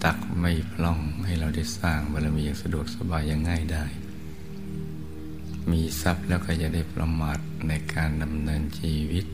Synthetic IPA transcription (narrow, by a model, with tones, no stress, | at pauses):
t̪a˨˩k̚ma˥˩jpʰlɔ˧˩ŋha˥˩jɾa˧wda˥˩jsaː˥˩ŋba˧˩la˧wmiː˧˨ja˨˧ŋsa˧du˨˩ək̚sa˧baː˧jːa˧ŋːa˥˩jdaː˥˩j | miː˧sa˦˥p̚lɛː˦˥wkɔː˥˩ja˨˩k̚da˥˩jpɾʔa̰˧maː˨˩t̪̚na˧jkaː˧nda˧mnɤː˧nt͡ɕiː˧wi˦˥t̪̚